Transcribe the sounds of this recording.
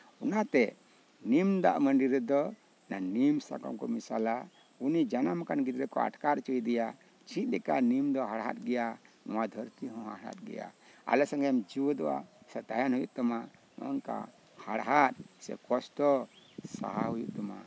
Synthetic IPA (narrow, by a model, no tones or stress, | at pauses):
ɔnat̪ɛ | nimd̪a̰ʔməɳɖiɾɛd̪ɔ | nanimsa̰kɔ̰mkɔmisala | unid͡ʒanamkanɡit̪ɾɛkɔ̰a̰ʈkaɾ̚t͡ʃəjd̪ɛja | t͡ʃĩt̪̚ˀdɛkanimd̪ɔɦaɽɦa̰t̪̚ɡɛjanɔwad̪ʱəɾt̪iɦɔ̃ɦa̰ɽa̰t̪̚ɡɛ̰ja̰a̰lɛsaŋɛmd͡ʒiwɔd̪ɔwa̰sɛt̪ajanhujuʔt̪ɔma | mɔ̰ŋka̰ | haɽɦat̪̚sɛ̰kɔsʈɔ | sa̰ɦaɦujṵʔt̪ɔma̰